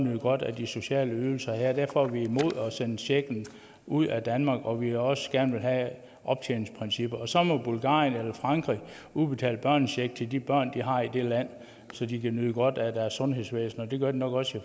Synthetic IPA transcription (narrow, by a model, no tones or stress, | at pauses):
nyð̰ˠɡ̥ɒ̽d̥æd̥iso̝ɕɛ̰ːləyðl̩sɐhæɐ̰d̥æɐ̰fɒ̽ʋiimo̝ð̞̰ˠɒ̽senəɕeɡ̥n̩ | uð̞̰ˠæd̥ænmɑ̈ːɡ̥ɒ̽ʋiɒ̽sɡ̥æɐnʋe̝lɦæ | ʔɒ̽b̥t͡sʰeːn̩spʰʁinsib̥ɐɒ̽sɒ̽mɒ̽b̥ulɡ̥ɑ̰̈ːjənelɐfʁɑ̈ŋɡ̥ʁḭ | ub̥e̝t͡sʰɛ̰ːləb̥ɶɐ̰nɕeɡ̥̚t͡sʰe̝ld̥ib̥ɶɐ̰nd̥iɦɑ̈id̥e̝læn̰ | sɒ̽d̥ikʰænyðˠəɡ̥ɒ̽d̥æd̥æɐsːɔ̽nɦe̝sʋḛːsn̩ɒ̽d̥e̝ɡ̥ɶɐd̥inɒ̽ɡ̥ɒ̽si